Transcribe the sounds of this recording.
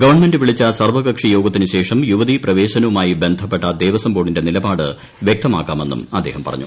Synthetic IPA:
ɡɐʋɐrɳme̞ndɨʋiɭit͡ɕːɐsɐrʋɐɣɐkʂijo̞ːɡɐt̪ːinɨɕe̞ːʂɐmjuʋɐðiprɐʋe̞ːɕɐnɐʋumaːjibe̞nd̪ʱɐpːeʈːɐd̪eːʋɐsɐmboːɽinde̞nilɐbaːɽɨ | ʋjek̚t̪ɐmaːkːaːme̞nːṵmɐd̪ːe̞ːhɐmpɐ̰rɐ̰ɲːṵ

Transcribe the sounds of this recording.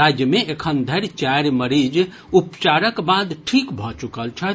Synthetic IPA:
ad͡ʒjəmeekʰənd̪ʱəɾt͡ʃaɾməɾid͡ʒ | upt͡ʃaɾəkbad̪ʈʰikbʱɔt͡ʃukəlt͡ʃʰɛ

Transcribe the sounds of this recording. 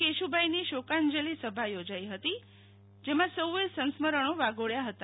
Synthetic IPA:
eʃubʱajniʃokãnd͡ʒəlisəbʱajod͡ʒaiɦət̪i | d͡ʒemãsəwʋesə̃nsməɾəɳ̃oʋaɡoɭjaɦət̪a

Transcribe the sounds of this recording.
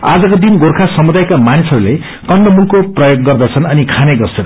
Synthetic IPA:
a̰d͡zʌkod̪inɡorkʰasʌmud̪ajkamanisʌɾule | kʌnɖʌmulkoprʌjoɡːʌrd̪ʌt͡sʰʌnʌnikʰaneɡʌrt͡sʰʌn

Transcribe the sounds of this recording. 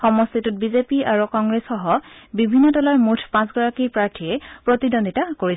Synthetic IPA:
xɔmɔstitut̚bizepiaɹukɔŋɡɹesxɔɦɔbibʱinːɔdɔlaɹmutʰpãsɡɔɹakipɹaɹtʰijɛpɹotidonditakoɹis

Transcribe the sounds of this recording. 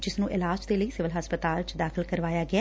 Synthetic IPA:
d͡ʒɪsnũːʔɪlaːd͡ʒd̪eːləiːsɪʋəlɦəspət̪aːlt͡ʃd̪aːkʰəlkəɾʋaːjaːɡɪaː

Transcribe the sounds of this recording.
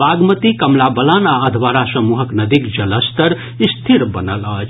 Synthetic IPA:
aɡmət̪ikəmlabəlanaəd̪ʱʋaɾasəmuɦəknəd̪ikd͡ʒələst̪əɾ | ist̪ʰiɾbənələːt͡ʃʰ

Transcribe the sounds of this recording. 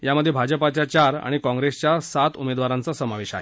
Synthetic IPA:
jaməd̪ʱːjebʱad͡ʑəpat͡ɕjat͡ɕaɾa̰ɽ̃ikɔ̃ŋɡɾest͡ɕjasat̪umed̪ʋaɾãnt͡sasəmaʋeɕa̰ɦe

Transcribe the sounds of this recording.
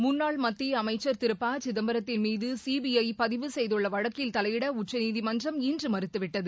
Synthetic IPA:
mʊnːaːɭmɐt̪ːiɐmɐɪt͡ʃːɐɾt̪ɪɾɯpːaːt͡ʃɪðɐmbɐɾɐt̪ːɪnmiːðɯsiːbiɐɪpɐðɪʋɯsɛjðɯɭːɐʋɐɻɐkːɪlt̪ɐlɐjʋɪɽɐʊʈt͡ʃːɐniːðimɐndrɐmiːndrɯmɐɾɯt̪ːɯʋɪʈːɐðɯ

